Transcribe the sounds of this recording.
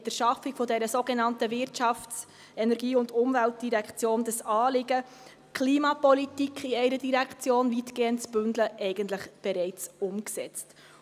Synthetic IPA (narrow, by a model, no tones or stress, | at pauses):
təɾʃɑfɪkfɔdɛɾəsoːɡɛnɑntəvɪɾtt͡ʃɑftt͡s | ɛnɛɾɡiːʊndʊmvælt̚d̥iɾɛkt͡sjoːnd̥əsɑːlɪɡə | kʰliːmɑpɔlitikχiɛɪɾədiɾɛkʰt͡sjoːnvitɡ̥eːəntt͡sb̥ʏndləʔɛɪɡ̥əntləχb̥ɛɾɛɪt͡sʊmksɛt͡st